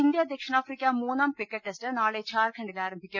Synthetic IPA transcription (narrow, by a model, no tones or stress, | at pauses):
ind̪jaːd̪ʱjɐkʂɐɳaːfɾikʲːamuːnaːmpikːɐʈːesʈɨnaːɭet͡ɕaːɾkʰɐɳɖilaːɾɐmbʱikʲːɐ